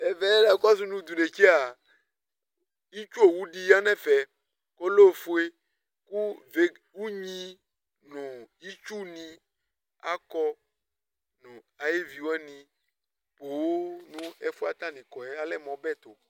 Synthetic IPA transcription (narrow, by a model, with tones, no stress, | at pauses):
e˨vɛ˦la˨˦kɔ˦s̬ũ˦nũ˦d̪u˨ɖe˨t͡ʃe˦a˨ | i˦t͡ʃu˦o˨wu˦ɖi˦ja˦nɛ̃˦fɛ˨ | ko˦lo˦˨fo˦e˦ | ku˦ve˨ | wu˦ɲĩ˦ | nũ˨i˦t͡ʃu˦nĩ˦ | a˦kɔ˦ | nũ˨ | a˨je˦vi˨wɛ˦nĩ˨ | k͡po˨wo˦nũ˦e˦fu˦a˨t̪ã˦nĩ˨kɔ˨e˦a˨lɛ˦mɔ̃˨bɛ˦t̪o˨